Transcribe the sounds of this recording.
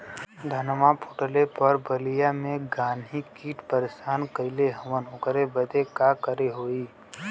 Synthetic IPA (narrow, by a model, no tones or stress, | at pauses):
d̪ʱɐnmapʰoʈəlepɐɾbəlijamẽɡaːnɦikiːʈpəɾesaːnkəɪleɦɐʋənʊkəɾebəd̪ʱekakəɾeɦoːiː